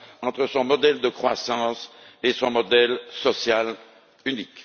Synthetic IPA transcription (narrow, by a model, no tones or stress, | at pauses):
ɑ̃t̪χəsɔ̃mɔd̪ɛld̪əkχwasɑ̃sesɔ̃mɔd̪ɛlsɔsjal | ynik